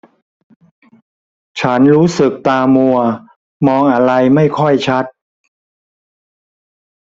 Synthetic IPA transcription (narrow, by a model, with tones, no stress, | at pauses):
t͡ɕʰa˦˥nɾuː˦˥sɯ˨˩k̚t̪aː˧mu˧ɐ | mɔː˧ŋʔa˧ɾa˧jma˥˩jkʰɔ˥˩jt͡ɕʰa˦˥t̪̚